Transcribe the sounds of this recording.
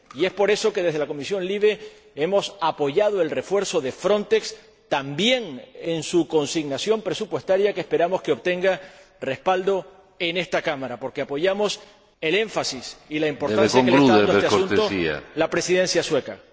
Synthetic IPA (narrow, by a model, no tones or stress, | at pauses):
ie̞spo̞ɾe̞so̞ke̞ð̞e̞ɦðelako̞misjo̞nliβ̞e̞ | e̞mo̞sapo̞ʝað̞oe̞lre̞fwe̞ɾso̞ðe̞fɾõ̞nt̪e̞ks | t̪ambje̞ŋensuko̞nsiɣnasjo̞mpɾe̞supwe̞st̪aɾjakehpe̞ɾamo̞skeo̞βt̪e̞ŋɡare̞spald̪o̞ | ene̞st̪akamaɾapo̞ɾkeapo̞ʝamo̞s | e̞le̞ɱfasisilaimpo̞ɾt̪asjakeaedoeesteaũnt̪oia̰lapɾe̞siðe̞nsjaswe̞ka̰